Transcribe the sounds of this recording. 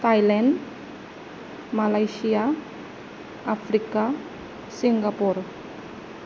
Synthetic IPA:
t̪ajlɛn | malajsia | ʔafɾika | siŋɡapʊr

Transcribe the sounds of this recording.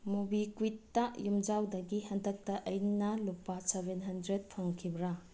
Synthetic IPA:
mubikwitːɐjumd͡ʒawdɐɡihɐndɐk̚tɐʔɐjnɐlupːɐsebenɦɐndɾet̚pʰɐŋkʰibɾa

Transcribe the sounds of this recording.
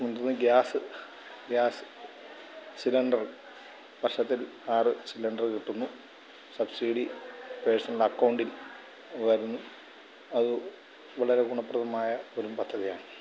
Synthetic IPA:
mund̪unːɨɡʲjaːsɨ | ɡjaːsɨ̥ | silɐɳɖɐr | pɐrʂɐt̪ːil | aːrɨsilɐɳɖɐrkiʈːunːu | sɐbsiːɽipeːsɐnlɐkːɐwɳɖil | ʋɐɾunːu | ɐðɨ | ʋɐɭɐɾeɡuɳɐpːrɐðɐmaːjɐo̞ɾumpɐd̪ʱːɐðijaːɳɨ

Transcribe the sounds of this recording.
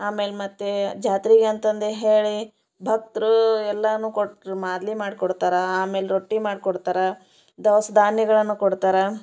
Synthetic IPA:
aːme̞ːlemɐt̪ːed͡ʒaːt̪ɾiɡeɐnt̪ɐnd̪eɦeːɭi | bʱɐk̚t̪ɾuɛlːɐnuːkoɽmaːd̪limaːɖkɔɽt̪aːɾɐaːme̞ːleɾoʈːimaːɖkɔɽt̪aːɾɐ | d̪ɐʋɐsɐd̪ʱaːnjɐɡɐɭɐnːukɔɽt̪aːɾɐ

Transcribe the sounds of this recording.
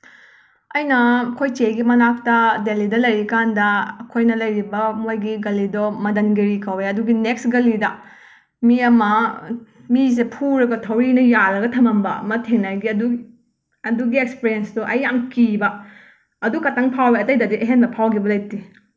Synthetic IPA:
ɐjnɐkʰojt͡ʃeɡimɐnak̚tɐdelidɐlɐjɾikandɐkʰojnɐlɐjɾibɐmojɡiɡɐlidɔmɐdɐnɡiɾikʰɐweɐduɡineksɡɐlidɐ | miɐmɐ | mizepʰuɾɐɡɐtʰɐwɾinɐjaɾɐɡɐtʰɐmɐmbɐmɐtʰeŋnajɡiɐdu | ɐduɡiekspeɾiensdɔʔɐjːamkibɐː | dukɐtaŋpʰaweɐtɐjdɐdiʔeɦenbɐpʰawɡibɐlɐjti

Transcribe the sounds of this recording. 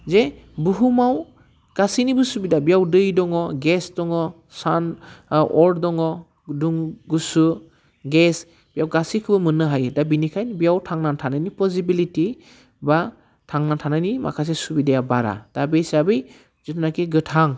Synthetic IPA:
ze | buɦumaw | ɡ̥asinibɯsubidabijawdɯjdɔŋɔɡesdɔŋɔ | sanɔɾdɔŋɔ | duŋɡusu | ɡes | b̥ijawɡasikʰɯbɯmɯnːɯɦajɯdabinikʰajnbijawtʰaŋnantʰanajnipɔsibiliti | ba | tʰaŋnantʰanajnima̰kʰas̬esubidajabaɾa̰d̥abesabɯj | z̥ɯtʰnakiɡɯtʰaŋ

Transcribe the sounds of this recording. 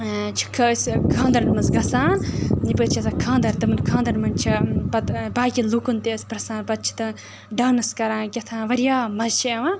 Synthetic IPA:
t͡ʃʰi̥kʰəːskʰãːnd̪ɐɾnmɐnzɡɐsãːnipət͡ʃʰiɐsakʰãːnd̪ɐɾt̪ɨmɨnkʰãːnd̪ɐɾmɐnt͡ʃʰipɐt̪baːkʲilukunt̪espɾɐsãːpɐd̪̚t͡ʃʰi̥t̪ɨ | ɖaːnɨskɐɾãːɡʲɐt̪ʰãːʋɐɾjaːmɐzʃeʋã

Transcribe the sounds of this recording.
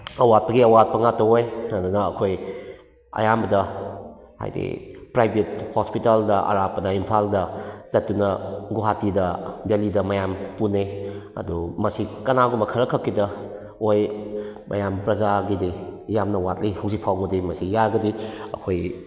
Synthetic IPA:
ɐwat̚pɐɡiɐwat̚pɐŋatɐwojɐdunɐːkʰoj | ɐ̰jambɐdɐ | ha̰jdḭpɾajbet̚hospitaldɐʔɐ̰ɾapɐdɐimpʰaldɐzɐtːunɐɡuɦatidɐdelidɐmɐjampuneɐ̰dumɐsikɐnaɡumɐkʰɐɾɐkʰɐkːidɐ | ojmʔɐ̰jampɾɐzaɡidijamnɐwat̚lijhawzik̚pʰawŋudimɐsijaɾɡɐdiɐ̰kʰoj

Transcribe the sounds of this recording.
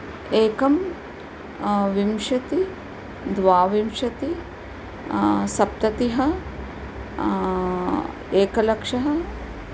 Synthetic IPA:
eːkɐm | ʋimʃɐt̪i | d̪ʋaːʋimʃɐt̪i | sɐp̚t̪ɐt̪iɦɐ | eːkɐlɐkʂɐɦɐ

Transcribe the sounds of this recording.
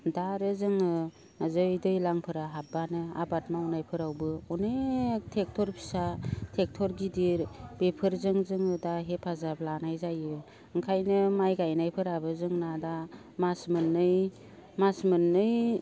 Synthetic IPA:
daɾɯzɯŋɯ | azɯjdɯjlaŋpʰɯɾaɦabanɯa̰bat̚mawnajpʰɯɾawbɯɔnetʰek̚tʰɔɾpʰi̥satʰek̚tʰɔɾɡidiɾbepʰɯɾzɯŋzɯŋɯdaɦepʰazablanajzajɯ | ɯŋkʰajnɯmajɡajnajpʰɯɾabɯzɯŋnada | masmɯnːɯj | masmɯnːɯj

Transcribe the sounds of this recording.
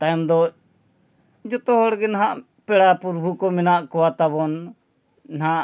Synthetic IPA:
t̪ajmd̪ɔ | d͡ʒɔt̪ɔɦɔɽɡɛnaɦãʔ | pɛɽapuɾbʱukɔmɛnaʔkɔwat̪abɔn | nɦaʔ

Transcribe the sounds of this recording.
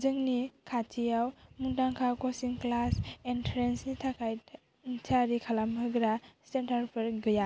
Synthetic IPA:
zɯŋnikʰatʰijawmuntaŋkʰawkɔsiŋklasɛntʰɾensnitʰakʰaj | tʰaɾikʰalamɦɯɡɾasentaɾpʰɯɾɡɯja

